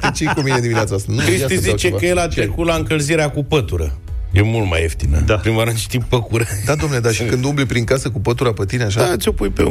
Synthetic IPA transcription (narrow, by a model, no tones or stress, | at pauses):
t̪et͡ʃejkumined̪imineat̪sast̪ankɾist̪izit͡ʃeəjelat̪ɾekut̪laɨŋkəlziɾeakupət̪uɾə̰ | jemult̪ma̰jḛft̪inə̰d̪apɾimaɾɨnt͡ʃi̥t̪ipəkuɾed̪ad̪ooamneled̪aʃikɨnd̪umblipɾiŋkasəkupət̪uɾapət̪ineaʃ̬at̪ʲo̞pujpḛ